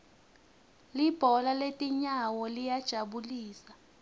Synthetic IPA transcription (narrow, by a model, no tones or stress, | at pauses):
lib̥ʱɔlaletʼiɲawɔlijad̥ʒ̥ʱaɓuliːsa